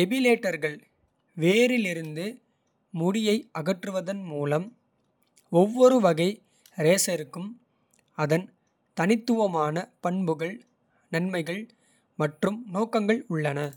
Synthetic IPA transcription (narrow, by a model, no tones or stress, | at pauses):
ɛbɪleːʈːɐɾɣɐɭ | ʋeːɾɪlɪɾɯnd̪ɯ | mʊɽɪjɐɪʔɐɣɐʈrɯʋɐðɐnmuːlɐm | ɔʋːɔɾɯʋɐɣɐɪ | ɾeːsɐɾɯkːɯm | ɐðɐn | t̪ɐnɪt̪ːɯʋɐmaːnɐpɐɳbɯɣɐɭ | nɐnmɐɪɣɐɭ | mɐʈrɯmnoːkɐŋɡɐɭʊɭːɐnɐ